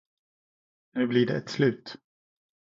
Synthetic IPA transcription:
nʉ̟ːblɪɖɛɛt̪slʉ̟ːt̪

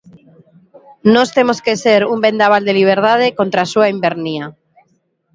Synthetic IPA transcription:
nost̪e̞moskeseɾumbe̞nd̪aβ̞ald̪eliβ̞eɾðað̞eko̞nt̪ɾasuaimbeɾnia

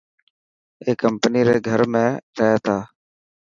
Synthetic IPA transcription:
eːkəmpniːɾeːɡʱəɾmẽːɾʰət̪ʰaː

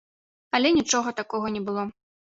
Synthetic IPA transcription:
ɐlʲɛnʲit͡ʂɔɣɐt̪akɔɣɐnʲɛbɨlˠɔ

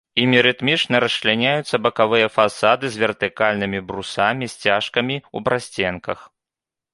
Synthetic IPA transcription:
imʲiɾɨt̪mʲit͡ʂnɐɾɐslʲanʲajut̪sːɐbɐkavɨjɐfasad̪ɨzʲvʲɛrt̪ɨkalʲnɨmʲibɾusamʲisʲt͡sʲaʂkɐmʲiṵbɾasʲt͡sʲɛnkɐ̰x

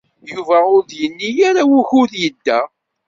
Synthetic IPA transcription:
juvæʊɾðjənːijaɾawuçʊðjəd̪ːæ

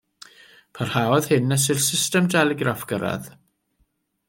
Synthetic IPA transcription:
pʰarhaɔð̥hɪnːəs̬ɪrsɪstəmdɛlɪɡɾafɡ̥əɾa̰ð

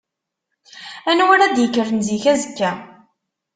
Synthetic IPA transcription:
ænwəɾæd̪jəkːəɾənziçæzəkːæ

